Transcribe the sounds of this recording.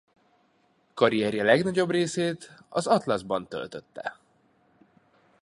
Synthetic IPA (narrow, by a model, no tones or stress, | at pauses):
kɒɾijɛrjɛlɛɡnɒɟo̞breːseːt̪ɒzɒt̪lɒzbɒnt̪ø̰lt̪øt̪ːɛ̰